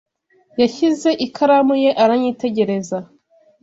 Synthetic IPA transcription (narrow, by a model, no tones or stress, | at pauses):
jaçize̞ʔikʰaɾamuje̞ʔaɾaɲiːte̞ɟe̞ɾe̞za